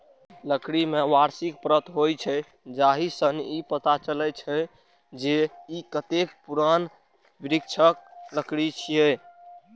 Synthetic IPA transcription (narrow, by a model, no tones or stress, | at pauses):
ləkɽimeʋaɾsikpɾət̪ɦojt͡ʃʰɛ | d͡ʒaɦisənipət̪at͡ʃəlɛt͡ʃʰɛ | d͡ʒeikət̪ekpuɾan | biɾik̚t͡ʃʰək̚ləkɽit͡ʃʰijɛ